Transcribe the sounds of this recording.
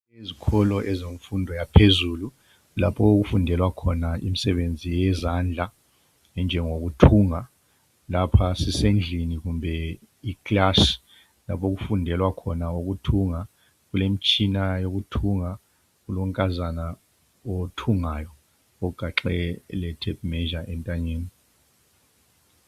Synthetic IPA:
ezikʰɔlɔʔɛzeɱfundʱɔjapʰezuːlu | lapʰɔok̬ufundʱɛlwakʰɔnaḭmisɛɓend͡zʱijɛzand͡ɮʱa | ɛnd͡ʒʱɛŋok̬utʰuːŋa | lapʰasisend͡ɮʱiniɣumbʱɛ | ikʼlasi̥ | la̰pʰɔk̬ufundʱɛlwakʰɔnaok̬utʰuŋa | k̬ulemit͡ʃʰʼinajok̬utʰuŋa | k̬uloŋkʼazana | otʰuŋajɔ | ɔɡ̥ʱaǁɛlɛtʰɛp̚mɛʒaʔɛntʼaɲeːni

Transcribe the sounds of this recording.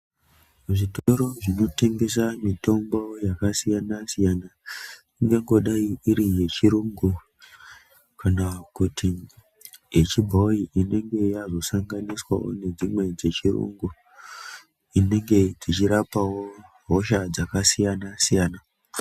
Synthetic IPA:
ʐitoɾo̞ʐino̞te̞ŋɡe̞s̬amito̞mbo̞jakasijanasijana | iŋɡeŋɡo̞ɗaiːɾije̞t͡ʃiɾuŋɡu | kanakutʰi | jet͡ʃibʱoiʔine̞ŋɡe̞jazo̞saŋɡaniswa̰wo̞̰ne̞d͡zimwe̞d͡ze̞t͡ʃirṵŋɡu | ine̞ŋɡe̞d͡zit͡ʃiɾapawo̞ | ɦo̞ʃad͡zakasijanasijaːna

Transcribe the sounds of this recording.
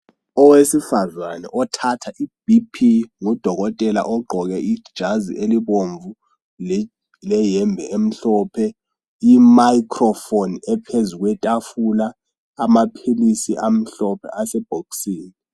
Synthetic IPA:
ɔwesifazwanɛ̰ʔɔtʰatʰaʔib̥ipʰiŋɔd̥ʱɔɣɔtʼɛla̰ʔɔɡ͡ǃʱɔɣɛʔid̥ʒ̥ʱazḭʔeliβoɱvu | l | lɛjɛmbʱɛem̩ɬɔːpʰɛ | imajikʰrɔfonɛpʰezuɣwɛtʼafulaː | mapʰilisiʔam̩ɬɔpʰɛ̰asɛb̥ʱoksiːni

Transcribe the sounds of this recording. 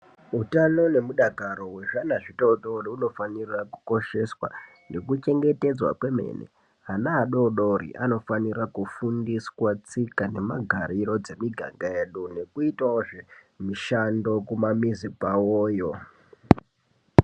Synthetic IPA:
utano̞ne̞muɗaɡʱaɾo̞we̞ʐanaʐitoɗoriuno̞faniraku̥ko̞ʃe̞swa̰ | ne̞kut͡ʃe̞ŋɡe̞te̞d͡zwa̰kwe̞me̞̰nḛ | ɦanaːɗo̞ɗo̞ɾḭʔa̰no̞fanirakufundiswat͡sikane̞maɡʱaɾiɾo̞d͡ze̞miɡʱa̰ŋɡae̞ːɗune̞kuitaoʐe | miʃando̞kumamizipawoːjo̞

